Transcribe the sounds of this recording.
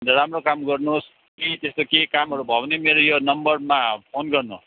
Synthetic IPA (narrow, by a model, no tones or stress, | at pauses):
ndeɾamrokamɡʌrnus | nit̪est̪okekamɦʌɾubʱʌwnemeɾojonʌmbʌrmapʰonɡʌrnu